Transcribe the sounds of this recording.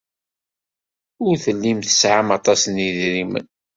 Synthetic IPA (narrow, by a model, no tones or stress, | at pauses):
ʊɾθəlːimθə̥sʕamɑt̪ˤɑsniðɾimə̰n